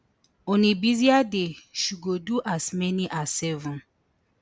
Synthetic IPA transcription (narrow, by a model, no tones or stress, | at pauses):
ɔ̃nibiziadeʃuɡoduʔasmɛniʔasːɛvɔ̃n